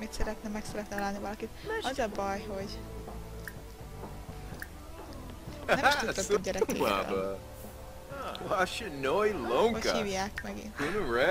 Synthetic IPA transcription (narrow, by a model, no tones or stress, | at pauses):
mit̪sɛɾɛt̪nɛmɛksɛɾɛt̪nɛɒlaːlnivɒlɒkit̪ɒzɒbɒjɦo̞ɟ | ɛmʃut̪ːɛɟɛɾɛḛa̰a | aʃɨdnojlõŋoɟkə̰hiːvjaːkmɛɡḭnunəɹɛ